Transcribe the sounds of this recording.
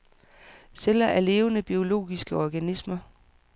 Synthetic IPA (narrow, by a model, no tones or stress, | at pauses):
sel̰ɐʔæɐle̝ːʊənəb̥io̝lo̝̰ːɡ̥isɡ̥əɒɡ̥ænismɐ